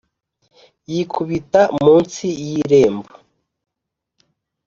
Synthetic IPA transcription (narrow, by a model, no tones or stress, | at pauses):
jikʰuβitamuːnsijiɾe̞ːmbo